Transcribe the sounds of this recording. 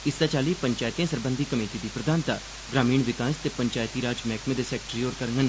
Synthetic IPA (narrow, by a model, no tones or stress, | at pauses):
ɪst̪aːt͡ʃaːliːpəɲt͡ʃaːjt̪ijãːsəɾbə̃nd̪ʱiːkəmeːʈiːd̪iːpɾəd̪aːnt̪a̰ː | ɡɾaːmiːɳʋɪkaːst̪eːpəɲt͡ʃaːjt̪iːɾaːd͡ʒmɛːkʰmẽd̪eːsɛːk̚ʈɾioːɾkəɾŋɡən